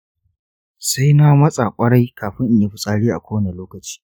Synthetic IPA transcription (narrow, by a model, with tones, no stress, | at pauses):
sa˦jna˦mɐ˦sʼa˨kʷʼɐ˦ɽa˦jkʰaː˨ɸɪ˦ŋʔɪ˨ɲje˦ɸɪ˦sʼaː˦ɽiː˦ʔa̰˨kʷoː˦wɐ˦ne˨loː˦kɐ˨t͡ʃi̥ː˦